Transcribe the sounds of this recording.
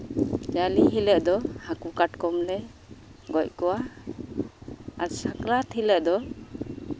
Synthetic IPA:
d͡ʒaliɦiləʔd̪ɔhakukaʈkɔmlɛ | ɡɔc̚kɔwa | ɾsaklat̪ʰhiləʔd̪ɔ

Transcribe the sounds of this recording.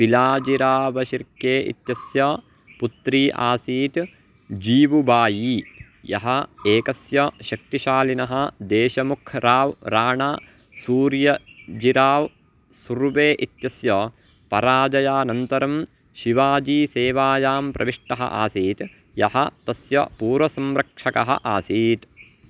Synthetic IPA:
pilaːd͡ʒiɾaːʋɐʃiɾkːeːʔḭt̪jɐsjɐ | put̪ɾiːʔa̰ːsiːt̪ | d͡ʒiːʋubaːjiː | jɐ̰ɦɐ̆eːkɐsjɐʃɐk̚t̪iʃaːlinɐɦɐ̆d̪eːʃɐmukʰɾaːʋɾaːɳaː | suːɾjɐd͡ʒiɾaːʋ | suɾʋeːʔit̪jɐsjɐː | pɐɾaːd͡ʒɐjaːnɐnt̪ɐɾɐm | ʃiʋaːd͡ʒiːseːʋaːjaːmpɾɐ̰ʋiʂʈɐɦɐ̰ʔa̰ːsiːt̪ | jɐhɐt̪ɐsjɐ̰puːɾʋɐsɐmɾɐkʂɐkɐɦɐ̰ʔaːsiːt̪

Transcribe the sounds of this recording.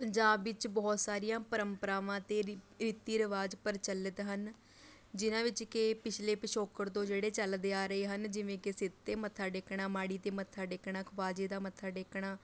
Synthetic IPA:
pəɲd͡ʒaːbʋɪt͡ʃbɔːt̪saːɾijãːpəɾəmpəɾaːʋãːt̪eː | ɾiːt̪iːɾəʋaːd͡ʒpəɾt͡ʃəlːət̪ɦən | d͡ʒɪnãːʋɪt͡ʃkɪpɪt͡ʃʰleːpəʃoːkəɾt̪õːd͡ʒeːɽeːt͡ʃəld̪eaːɾəeːɦənd͡ʒɪʋẽːkɪsɪt̪t̪eːmət̪ʰːaːɖekɳaːmaːɽiːt̪eːmət̪ʰːaːɖɪkɳaːkʰʋaːd͡ʒeːd̪aːmət̪ʰːaːɖekɳaː

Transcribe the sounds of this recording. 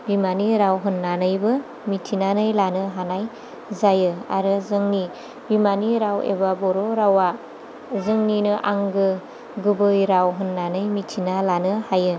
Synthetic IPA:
bimaniɾawɦɯnːanɯjbɯ | mitʰinanɯjlanɯɦanaj | zajɯa̰ɾɯzɯŋni | bimaniɾawḛbabɔɾoɾawa | zɯŋninɯʔaŋɡɯ | ɡɯbɯjɾawɦɯnːanɯjmitʰinalanɯhajɯ

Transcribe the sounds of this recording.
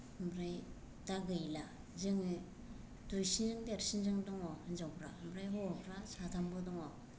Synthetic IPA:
mbɾaj | taɡɯjla | zɯŋɯ | dujsinzɯŋdeɾsinzɯŋdɔŋɔnzawpʰɾambɾajɦɔpʰɾasatʰambɯdɔŋɔ

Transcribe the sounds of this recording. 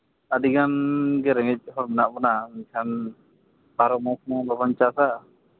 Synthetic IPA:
ad̪iɡanɡɛɾɛŋɛc̚ˀhɔɾmɛnaʔbɔnaɲkʰan | paɾɔmɔkʰmɔŋbabaɲt͡ʃasaʔ

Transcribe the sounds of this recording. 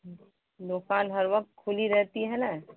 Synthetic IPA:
d̪okaːnɦəɾʋɐk̚t̪̚kʰʊliɾɛɦt̪iɦɛna

